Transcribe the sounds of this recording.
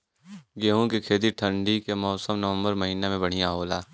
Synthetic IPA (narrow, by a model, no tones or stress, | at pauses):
ɡeːɦõkekʰeːd̪iʈʰə̃ɳɖikemɔːsəmnɐʋə̃mbəɾmɐɦiːnemẽbɐɽ̤ijaɦoːlaː